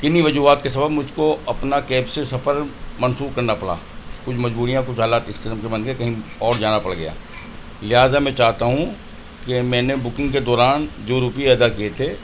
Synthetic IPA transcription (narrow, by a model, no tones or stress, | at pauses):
kɪniʋɐd͡ʒuːaːt̪̚kesɐbəbmʊd͡ʒʱkoɐpnakɛːbsesɐfəɾmɐnsuːɾkɐɾnapɐɽa̰ːkʊt͡ʃʰmɐd͡ʒbuːɾijãkʊt͡ʃʰɦaːlaːt̪ɪskɪsmkebɐ̃nɡekɐɦĩɔːɾd͡ʒaːnapɐɽɡɐ̰ja̰ː | lɪɦaːzamɛ̃t͡ʃaːɦt̪aɦũ | kemɛ̃ːnebʊkɪ̃ŋɡked̪ɔːɾaːnd͡ʒoɾuːpiɛːd̪akijet̪ʰeː